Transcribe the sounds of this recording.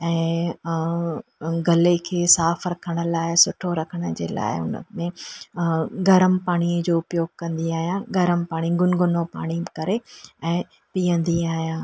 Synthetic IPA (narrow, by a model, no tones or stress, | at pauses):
ɛ̃ː | ɡɐlekʰeːsaːfɾɐkʰəɽ̃ə̆laːɪsʊʈʰoɾɐkʰəɽ̃ə̆d͡ʑḛːla̰ːɪ̰ʊ̰nə̰mẽ | ɡʱɐɾəmpaːɽ̃iəd͡ʑoːʊpjoːɡ̚kɐ̃nd̪iaːɦijãːɡʱɐɾəmpaːɽ̃iɡʊnɡʊnopa̰ːɽ̃ikɐɾeɛ̃ː | piːə̃nd̪iaːɦijãː